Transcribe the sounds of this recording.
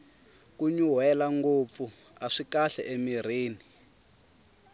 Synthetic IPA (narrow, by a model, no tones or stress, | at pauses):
kuɲuɦɛlaŋɡop̪fu | aʂikaɬɛ̰ʔemiriːni